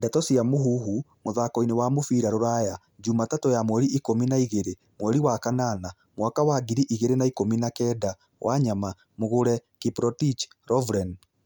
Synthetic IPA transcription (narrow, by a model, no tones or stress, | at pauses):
ndɛtɔsiamoɦuɦumoðakɔinewamofiːɾaɾoɾaja | d͡ʒumatatojamwɛɾiʔikominaiɣeɾe | mwɛɾiwakanana | mwakawaɡiɾiʔiɣeɾenaikominakɛːda | wʔaɲama | moɣoɾɛkipɾɔtit͡ʃ | ɾɔvɾɛn